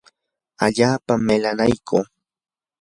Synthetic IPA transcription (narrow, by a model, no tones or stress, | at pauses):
aʎaːpamelanajkʰoː